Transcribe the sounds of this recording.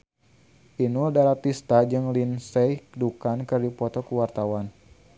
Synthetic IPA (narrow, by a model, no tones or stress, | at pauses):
ʔinurdaɾat̪ist̪ad͡ʒɨŋlinsɛjkdukankɨrdipɔt̪ɔkuwart̪awan